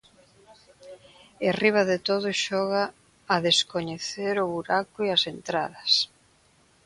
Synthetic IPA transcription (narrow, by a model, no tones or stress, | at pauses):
eriβ̞aðet̪oðʊʃɔɣaː | ðeskoɲeθeɾʊβuɾakʊiɐsent̪ɾa̰ðɐs